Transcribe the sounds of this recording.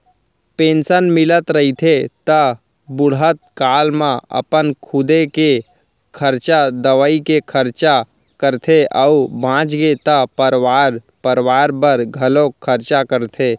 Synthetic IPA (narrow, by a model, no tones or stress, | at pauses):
pẽːnsənmɪlət̪ɾəɦit̪ʰet̪ə | bʊɽət̪̚kaːlmãə̰pənkʰʊd̪eke | kʰəɾt͡ʃad̪əʋəikekʰəɾt͡ʃa | kəɾt̪ʰeʔəubʱãːt͡ʃɡet̪əpəɾʋaːɾ | pəɾʋaːɾbəɾɡʱɐlõkʰəɾt͡ʃakəɾt̪ʰe